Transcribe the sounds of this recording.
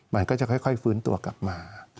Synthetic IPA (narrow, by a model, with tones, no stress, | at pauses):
ma˨˧˦nkɔː˥˩t͡ɕa˨˩kʰɔ˥˩jkʰɔ˥˩jfɯː˦˥nt̪ṵ˧ɐka̰˨˩p̚maː˧